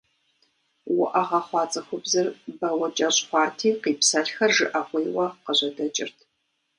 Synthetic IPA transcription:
wʊʔɐʁɐχʷɑːt͡sʼɐxʷʊbzɨrbɐwɐt͡ʃʼɐɕʼχʷɑːtʰiːqiːpsɐɬxɐrʒɨʔɐʁʷijwɐqəʑɐdɐt͡ʃʼɪ̰rtʰ

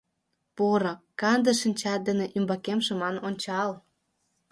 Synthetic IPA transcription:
puɾɑkːɑnd̪ə̆ʃənʲt͡ɕɑt̪̚d̪ə̆nĕʔymbɑkemʃə̆mɑnonʲt͡ɕɑl

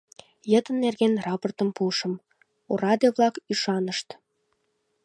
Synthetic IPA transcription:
jət̪ənːerɣenrɑport̪əmpuʃəm | orɑd̪ioβlɑkyʃɑnəʃt̪

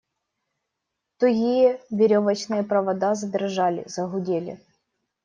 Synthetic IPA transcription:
t̪ʊɣʲijɛvʲɪɾʲovɐt͡ɕnɨjɛpɾɐvɐd̪azɐd̪ʲɪrʐalʲɪ̰zɐɦʊdʲelʲɪ̰

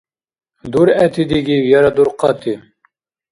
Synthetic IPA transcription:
d̪uɾɛt̪ʰid̪iɡiwjɑɾad̪uɾqɑt̪ʰi

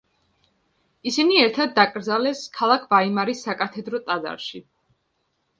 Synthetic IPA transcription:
isiniɛɾt̪ʰad̪ːakʼɾd̪zalɛskʰalˠakʰvaimaɾisːakʼat̪ʰɛd̪ɾɔt̪ʼad̪a̰ɾʃi

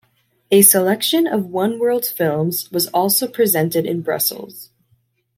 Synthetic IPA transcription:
ɨsəlɛkʃɨ̃nʌvwʌ̃nwɜ˞lˠd̥fɪlˠmzwʌzɔlˠsoʊpʰɹ̥izɛ̃ntɨɾɨ̰̃nbɹʌ̰sl̩ˠz̥

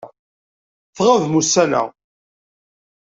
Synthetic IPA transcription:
θʁavmusælæ̰

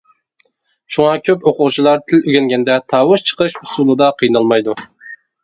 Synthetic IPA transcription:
ʃuŋɑkʲʰøpoqʊwt͡ʃʰilˠɑɾt̪ʰɪlyɡʲɛŋɡʲɛnd̪ɛt̪ʰɑːwʊʃt͡ʃʰə̥qɨʃusulˠɨd̪ɑqʰijnɑlˠmɑjd̪u

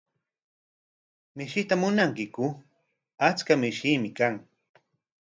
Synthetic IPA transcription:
mɪʃɪt̪amʊnaŋkɪkʊ | at͡skamɪʃimɪkaŋ

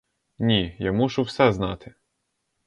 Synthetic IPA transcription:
nʲijamuʃʊwsɛznɑ̰t̪ʰɪ

